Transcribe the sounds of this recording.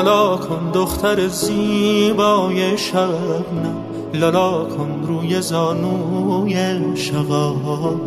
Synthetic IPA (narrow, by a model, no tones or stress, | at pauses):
lɑːkʰond̪oxt̪ʰaɾeziːbɔːjeʃavæbna | lɔlɑːkʰonɾuːjezɔːnujeʃavɔː